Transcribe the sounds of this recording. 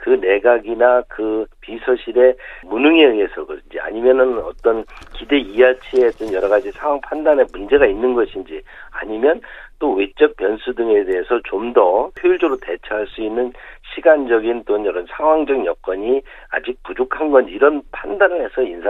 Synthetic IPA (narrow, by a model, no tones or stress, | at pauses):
kɯne̞ɡaɡinakɯpisʰʌɕʰiɾe̞munɯŋee̞sʰʌɡɯɾind͡ʑḭa̰ɲimjʌnɯnʌ̰t͈ʌnkide̞ijat͡ɕʰie̞t͈ɯnjʌɾʌɣad͡ʑisʰaŋwaŋpʰandanemund͡ʑe̞ɡainːɯnɡʌɕʰind͡ʑi | a̰ɲimjʌnt͈owe̞t͡ɕ͈ʌk̚pjʌnsʰudɯŋe̞de̞ɦesʰʌt͡ɕomdʌpʰjojɭd͡ʑoɾote̞t͡ɕʰaɦaɭs͈uinːɯnɕʰiɡand͡ʑʌɡint͈onjʌɾʌnsʰaŋɦwaŋd͡ʑʌɡinjʌk͈ʌɲi | a̰d͡ʑik̚pud͡ʑokʰanɡʌniɾʌnpʰandanɯɭhe̞sʰʌinsʰ